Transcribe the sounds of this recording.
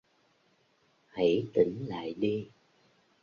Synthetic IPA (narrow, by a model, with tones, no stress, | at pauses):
hə˧˥jt̪i˧˩˦ŋ̟la̰ː˧˨jɗi˧